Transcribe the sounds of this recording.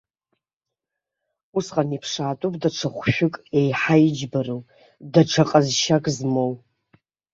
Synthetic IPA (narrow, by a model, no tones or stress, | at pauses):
usqʼanipʰʂaːtʷʼupʼdaʈ͡ʂʰaχʷʃᶣʷʊkʼe̞jħajid͡ʒbarow | daʈ͡ʂʰaqʼazʃakʼzmow